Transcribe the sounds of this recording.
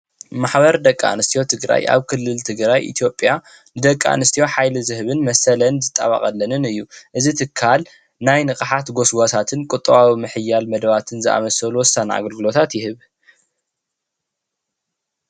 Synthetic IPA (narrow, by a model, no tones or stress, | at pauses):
maħβɐɾd̪ɐkʼːa̰nɨst̪ʰijo̞t̪ʰɨɡɾa̰jʔa̰βkʰɨlːɨlt̪ʰɨɡɾajʔḭt̪ʰjo̞pʼja | nɨd̪ɐkʼːa̰nɨst̪ʰijo̞ħajlɨzɨhɨβɨnmɐsɐlɐnzɨt̪ʼːa̰βa̰χʼɐlːɐnɨnɨjːuʔɨzit̪ʰɨkʰːal | najnɨkʼɨħat̪ɡo̞sɡot̪ʰat̪ʰɨnkʼɨt̪ʼːɐβawimɨħɨjːalmɐd̪ɐβat̪ʰɨnzɨʔa̰mɐsɐluwɔsana̰ɡɐlɡɨlo̞t̪ʰat̪jɪhɨβ